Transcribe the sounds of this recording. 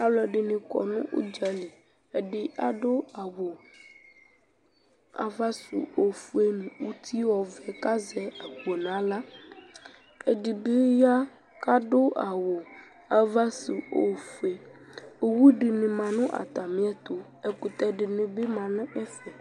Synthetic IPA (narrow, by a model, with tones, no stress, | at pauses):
a˦lɔ˨ɖɪ˨nẽ˨kɔ̰˨nṵ̃˦ʔṵ˦d͡ʒa˨li˨ | e˨ɖɪ˦ʔa̰˦ɖo˦a˨wo˨ | a̰˨va˦sṵ˨o˨fu˦e˦nũ˨wu˦t̪ʰi˦wɔ˨vɛ˨ka˦zɛ˦a˨ɡ͡bo˨nã˨˦la˦ | e˦˨ɖi˨be˦ja˦ | ka˦ɖo˦ʔa˨wo˨ | a˨va˦su˨o˨fu˨e˨o˦wu˦ɖi˨nĩ˨mã˨nũ˦ʔa̰˨t̪a˨mĩ˦ɛ˦t̪o˦ | ɛ˨ku˨t̪ɛ˨ɖɪ˨nẽ˨be˦mã˨nɛ̃˦ʔɛ˦fɛ˨